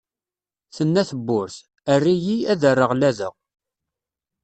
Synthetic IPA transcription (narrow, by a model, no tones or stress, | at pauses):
θənːæθəbːʊɾθ | ərːijiæðərːəʁlæðəʁ